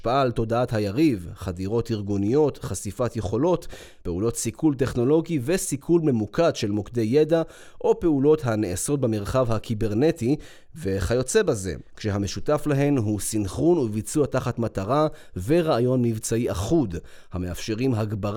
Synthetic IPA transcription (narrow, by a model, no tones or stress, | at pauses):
paʔalt̪o̞daathajaʁivχadiʁo̞tiʁɡunijo̞t̪χasifat̪je̞χo̞lo̞t | pe̞ulo̞tsikʰult̬e̞χno̞lo̞ɡive̞sikʰulme̞mukadʃe̞lmokd̪e̞jːeda | ʔo̞pe̞ulo̞tɦaneeso̞t̚bameʁχavhakibe̞ʁne̞ti | ve̞χajo̞t͡se̞baze̞̰kʃeɦame̞ʃutaflaɦe̞nɦusinχunuvit͡suataχatmataʁave̞ʁaajo̞nːivt͡saiʔaχud | hame̞afʃe̞ʁimɦaɡbaʁ